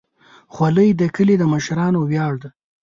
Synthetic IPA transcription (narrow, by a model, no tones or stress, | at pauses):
xwaləjd̪əkəled̪əməʃɾɑnowjɑːɽd̪ə